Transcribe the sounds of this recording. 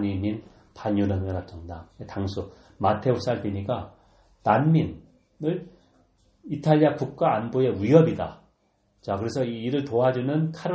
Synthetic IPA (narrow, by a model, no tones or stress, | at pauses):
ɲimin | paɲunamɭkatʰʌŋdaetaŋsʰu | matʰe̞os͈aɭbiɲiɡa | nanmin | ɯɾ | itʰaʎːiakuk̚k͈aːnboe̞wiɦʌbida̰ | t͡ɕakɯɾe̞sʰʌiːɾɯɭtoɦad͡ʑunɯnkʰaɾ